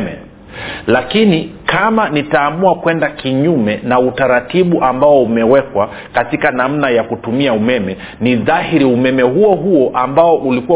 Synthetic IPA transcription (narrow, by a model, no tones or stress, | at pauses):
mɛ̰ | lakinikʰamanitaːmuakwɛndakiɲumɛnautaɾatiɓuʔambaɔumɛwɛkwa | katikanam̩najakutumiaumɛmɛ | niðahiɾiumɛmɛɦuɔɦuɔʔambaɔʔulikuw